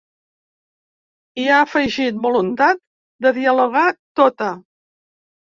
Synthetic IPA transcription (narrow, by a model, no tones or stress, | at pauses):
iaəfəʒit̪̚bulunt̪at̪̚ | d̪əðiəluɣat̪ot̪ə